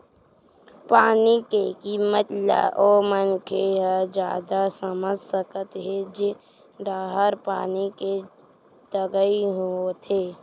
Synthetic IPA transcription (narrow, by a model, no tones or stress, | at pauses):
paːnikekiːmət̪la̰ʔoːmənkʰeɦd͡ʒjaːd̪asəməd͡ʒsəkət̪ɦed͡ʒe | ɾaːɦəɾpa̰ːnike | t̪əɡəiɦuot̪ʰeː